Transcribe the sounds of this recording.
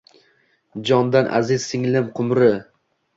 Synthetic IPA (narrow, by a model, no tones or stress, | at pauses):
d͡ʒɒnd̪anʔa̰zɪz̥sɪŋlɪmqʰʊmɾɪ